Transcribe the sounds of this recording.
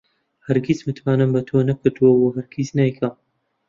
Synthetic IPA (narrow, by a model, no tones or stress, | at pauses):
hɐɾɡʲizmɨt̪ʰwaːnɨmbɐt̪ʰonɐkʰɨɾd̪uwɐwoɦɐɾɡiznajkʰɐm